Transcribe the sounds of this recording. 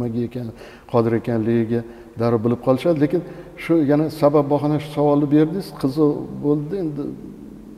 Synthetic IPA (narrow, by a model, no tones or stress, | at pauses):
maɡʲaekʲʰan | qʰɒd̪ɪɾe̞kʲanlɪɡʲɪɡʲa | d̪aɾɾbɪlɪp̚qʰɒlˠɪʃad̪ɪlekʲɪnʃʊjanasabap̚ːbɒɦɑnaʃʊ̥sawɒlˠɪbe̞ɾd̪ɪsqʰɨzɨbolˠd̪ɪe̞nd̪ɪ